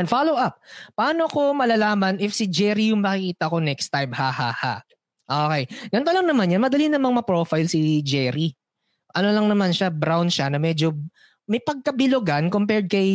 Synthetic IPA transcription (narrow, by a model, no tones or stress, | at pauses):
nfalowʔap̚ːɐʔaːnoko̞mɐlaːlaːmɐnʔɪfsɪd͡ʒɛɾijʊŋmɐkɪkiːt̪ɐʔkonɛkst̪ajb̚haːhaha̰ | ʔoːkɛjɡɐnt̪olɐŋnɐmanjanmɐd̪ɐlinɐmɐŋmɐpɹofajlsɪd͡ʒɛɾi | ʔɐnolɐŋnɐmanʃabɾawnʃanɐmɛd͡ʒo | mɐjpɐɡ̚kɐbɪloɡankompɛɹd̪̚kɐj